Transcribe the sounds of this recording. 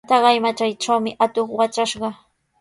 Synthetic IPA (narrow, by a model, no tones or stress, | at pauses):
t̪ɑɢɑjmat͡ʃajʈ͡ʂawmɪʔat̪oχwat͡ʃaʃɢɑ